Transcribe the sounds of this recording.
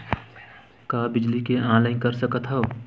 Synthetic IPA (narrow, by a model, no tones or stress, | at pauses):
kaːbɪd͡ʒlikeãːlə̃ɪnkəɾsəkət̪ɦoː